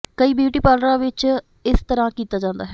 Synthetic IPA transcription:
kəiːbjiuːʈiːpaːlɾãːʋɪt͡ʃ | ɪst̪əɾãːkiːt̪aːd͡ʒãːnd̪aːɦɛː

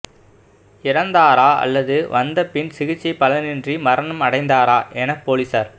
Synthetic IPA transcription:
ɪɾɐnd̪aːɾaːʔɐ̰lːɐðɯʋɐnd̪ɐpːɪnsɪɣɪt͡ʃːipːɐlɐnɪndrimɐɾɐnɯmɐɽɐɪnd̪aːɾaːʔɛnɐpːoːlisɐɾ

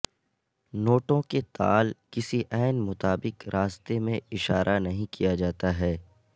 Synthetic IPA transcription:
noːʈõket̪a̰ːlkɪsiʔɛːnmʊt̪aːbɪqɾʔaːst̪emẽɪʃa̰ːɾʔanɐɦĩkijad͡ʒaːt̪aɦɛː

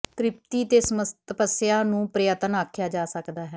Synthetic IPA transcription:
t̪ɾɪp̚t̪iːt̪eːsəmət̪əpəsjaːnũːpɾəjət̪ənaːkʰjaːd͡ʒaːsəkd̪aːɦɛː

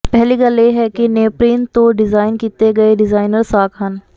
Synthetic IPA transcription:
pɛɦliɡɐljeɦɛkineːpɾiːnt̪oɖɪzaːɪnkiːt̪eɡɐeɖɪzaːɪnəɾsaːkʰɦɐn

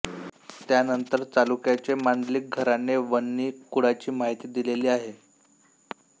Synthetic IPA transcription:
t̪janənt̪əɾt̪alukjat͡ɕemaɳdlik̚ɡʱəɾaneʋənːiːkuɽ̤at͡ɕiːmaɦit̪iːd̪ileliːaɦe

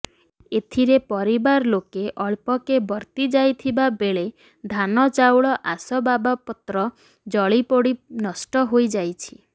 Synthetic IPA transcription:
et̪ʰiɾepɔɾibaɾlokeʔɔɭpɔkebɔɾt̪id͡ʒajt̪ʰibabeɭe | d̪ʱanɔt͡ʃawɭɔʔasɔbabapɔt̪ɾɔ | d͡ʒɔɭipoɽinɔsʈɔɦojd͡ʒajt͡ʃʰi̥

